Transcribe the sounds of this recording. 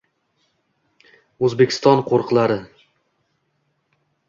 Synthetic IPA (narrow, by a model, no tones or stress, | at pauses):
ɵzbekʲʰɪ̥st̪ɒnqʰoɾqlˠaɾɪ